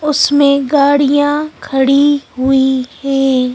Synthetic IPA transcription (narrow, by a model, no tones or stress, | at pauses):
ʊsmẽɡaːɽijãkʰɐɽiɦʊihɛ̃ː